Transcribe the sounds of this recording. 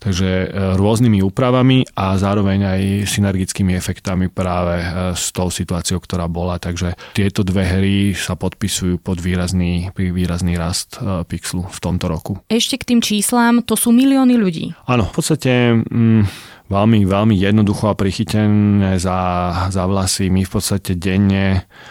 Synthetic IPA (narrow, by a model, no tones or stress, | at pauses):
t̪aɡʒɛɾʊɔznimiuːpɾaʋamiʔazaːɾɔʋɛɲajsinɛɾɡit͡skiːmiɛfɛkt̪amipɾaːʋɛst̪ɔʊsit̪uaːt͡siɔʊkt̪ɔɾaːbɔlat̪aɡʒɛt̪ɪɛt̪ɔd̪ʋɛɦɾisapɔt̪̚pisujuːpɔd̪ʋiːɾazniːpɾiʋiːɾazniːɾast̪piksluft̪ɔmt̪ɔɾɔkuɛʃcɛkt̪iːmt͡ʃiːslaːmt̪ɔsuːmiliɔːniʎuɟḭːanɔfpɔt̪st̪acɛ | ʋɛlmiʋɛlmijɛd̪nɔd̪uxɔapɾixicɛnɛːzazaʋlasimifpɔt̪st̪acɛɟɛɲːɛ